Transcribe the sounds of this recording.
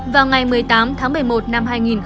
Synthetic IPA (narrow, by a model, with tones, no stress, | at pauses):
vaː˨˩wŋa˨˩jmɨ˨˩əjt̪aː˨˦mt̪ʰaː˨˦ŋmɨ˨˩əjmo˨˩t̚na˧mhaː˧jŋi˨˩n